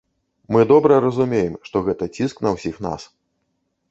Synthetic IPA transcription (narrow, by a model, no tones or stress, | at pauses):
mɨd̪ɔbɾɐɾɐzumʲejɛmʂt̪ɔɣɛt̪ɐt͡sʲisknɐwsʲixn̪a̰s